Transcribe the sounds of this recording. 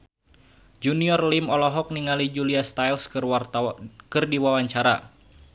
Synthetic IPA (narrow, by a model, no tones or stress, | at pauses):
d͡ʒuniɔrlimɔlɔɦɔk̚niŋalid͡ʒuliast̪ajls | kɨrdiwawaɲt͡ʃaɾa̰